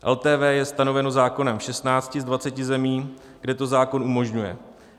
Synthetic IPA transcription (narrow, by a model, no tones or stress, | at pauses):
ʔɛ̰lt̪ɛːvɛːjɛst̪ano̞vɛno̞zaːko̞nɛmfʃɛst̪naːt͡scɪzdvat͡sɛcɪzɛmiː | ɡ̥dɛt̪o̞zaːko̞nʔumo̞ʒɲujɛ̰